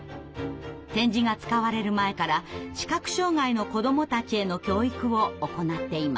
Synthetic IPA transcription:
t̪ẽ̞ɲ̟d͡ʑiɡat͡sɨ̥kaβaɾe̞ɾɯ̟mae̞kaɾaɕi̥kakɯ̟̥ɕo̞ːŋaino̞ko̞d̪o̞mo̞t̪at͡ɕie̞no̞kʲo̞ːikɯ̟βo̞ːko̞nat̪ːe̞ima̰

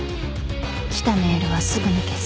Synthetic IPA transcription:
kʲi̥t̪ame̞ːɾɯ̟βasɨɡɯ̟nakes

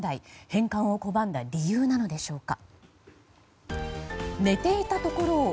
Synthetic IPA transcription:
d̪aihẽ̞ŋkãɰ̃o̞ko̞bãnd̪aɾʲijɯːnano̞d̪e̞ɕo̞ːka | ne̞t̪e̞it̪at̪o̞ko̞ɾo̞ː

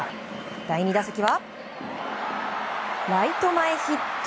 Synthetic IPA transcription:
d̪̥aiɲ̟id̪asakʲiβa | ɾait̪o̞maeçit̪ː

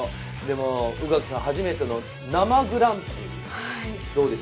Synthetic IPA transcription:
d̪e̞moɯ̟ɡakɯ̥sãhaʑime̞t̪eno̞ | namaɡɯ̟ɾãmpi | ha | d̪̥o̞ːd̪e̞s

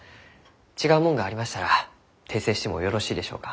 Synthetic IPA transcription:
t͡ɕiɡaɯ̟mõ̞ŋɡaːɾʲimaɕi̥t̪aɾa | t̪ʰe̞ːse̞ːɕi̥t̪e̞mo̞jo̞ɾo̞ɕiːd̪e̞ɕo̞ːkḁ

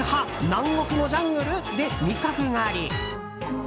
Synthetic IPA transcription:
hanãŋɡo̞kɯ̟no̞d͡ʑãŋɡɯ̟ɾɯ̟d̪e̞mʲikakɯ̟ŋaːɾʲi

